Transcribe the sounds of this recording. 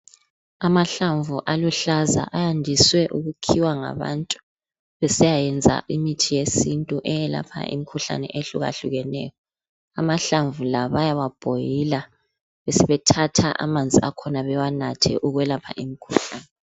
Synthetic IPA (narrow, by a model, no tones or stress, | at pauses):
amaɬaɱvuʔaluɬaza̰ʔajandʱiswɛʔuɣukʰiwaŋa̰βa̰ntʼu̥ | βɛsɛjajɛnd͡zʱa̰ʔimitʰijesintʼuʔɛjɛla̰pʰa̰ḭmikʰuɬa̰nɛ̰ʔeɬuɣa̰ɬuɣɛnɛjɔ | amaɬaɱvulaβajaβab̥ʱojila | βɛsɛβɛtʰatʰaʔa̰mand͡zʱiakʰɔnaβɛwanatʰɛ̰ʔuɣwɛlapʰa̰ʔimikʰuɬaːnɛ